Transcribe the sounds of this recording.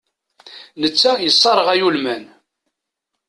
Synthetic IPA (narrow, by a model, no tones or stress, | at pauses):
nət͡sːæjəsˤːɑɾˤəʁæjulmæn